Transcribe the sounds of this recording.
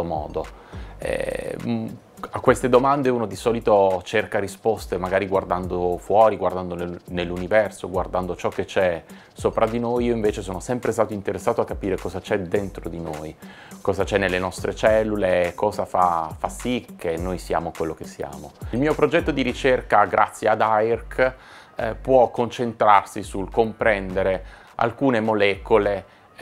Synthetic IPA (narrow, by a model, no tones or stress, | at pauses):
omɔ̰ːd̪oɛ̰ | akːwest̪ed̪omand̪euːnod̪isɔːlit̪ot͡ʃerkaɾispɔst̪emaɡaːɾiɡward̪and̪ofwɔːɾiɡward̪and̪onenelːunivɛrsoɡward̪and̪ot͡ʃɔkːet͡ʃɛ | sopɾad̪inojiːoiɱveːt͡ʃesoːnosɛmpɾest̪aːt̪oint̪eɾesːaːt̪oakːapiːɾekɔzat͡ʃɛd̪ent̪ɾod̪inoj | kɔːzat͡ʃɛnːelːenɔst̪ɾet͡ʃɛlːulekʰːɔːzafa̰fasːikʰːenːojsia̰ːmokwelːokesːja̰ːmoilmiːopɾod͡ʒɛt̪ːod̪iɾit͡ʃerkaɡɾʔa̰t̪sːjead̪ajrkʰ | pwɔkːont͡ʃent̪ɾarsisulkompɾɛnd̪eɾe | a̰lkuːnemolɛːkole